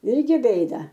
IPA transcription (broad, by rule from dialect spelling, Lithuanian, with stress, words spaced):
ˈɪrʲɡʲɪ ˈbʲeːdɐ